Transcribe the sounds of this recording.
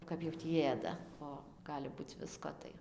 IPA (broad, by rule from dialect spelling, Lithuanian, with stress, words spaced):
ˈkɐp jɛʊ tʲiː ˈeːdɐ ˈoː ˈɡɑːlʲɪ ˈbuːt͡s ˈʋʲɪskoː tɐɪ